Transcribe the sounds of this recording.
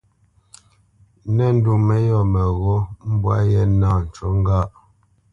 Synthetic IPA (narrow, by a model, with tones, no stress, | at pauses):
nɛ˦n̩˦du˨mɛ˦jɔ˨mɛ˨ɣo˦m̩˦bwa˦jɛ˦naː˦˨n̩˨t͡ʃo˦ŋ˦ɡa˦˨ʔ